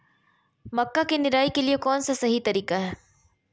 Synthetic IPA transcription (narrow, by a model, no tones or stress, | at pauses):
mɐkːakenɪɾaːikeliekɔːnsasɐɦit̪ɐɾiːkaɦɛː